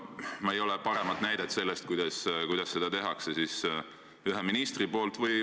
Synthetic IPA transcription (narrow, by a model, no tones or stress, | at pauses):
mɑejo̞lepɑɾe̞mɑd̪̥næjd̪̥et̪se̞lːe̞st̪̚kujd̪̥ɑskujd̪̥ɑsːe̞d̪̥ɑt̪e̞ɦɑksesis | yɦeminist̪ripo̞ːlt̪vɯj